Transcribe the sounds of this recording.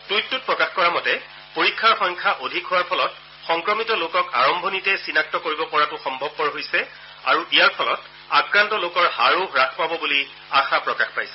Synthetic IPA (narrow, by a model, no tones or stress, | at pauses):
tujtːut̚pɹɔkaxkɔɹamɔtɛ | poɹikʰːaɹxɔŋkʰaʔodʱikɦʊaɹpʰɔlɔt | xɔŋkɹɔmitɔlokɔkaɹɔmbʱonitɛsinak̚tɔkoɹibɔpɔɹatʊxɔmbʱɔb̚ːɔɹɦojsɛ | a̰ɹuijaɹpʰɔlɔt | akɹantɔlokɔɹhaɹoɹakʰpabɔbuli | axapɹɔkaxpajsɛ̥